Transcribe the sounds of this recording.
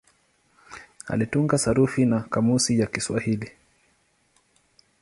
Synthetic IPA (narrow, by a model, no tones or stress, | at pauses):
a̰lituŋɡasaɾufinakamusijakiswahili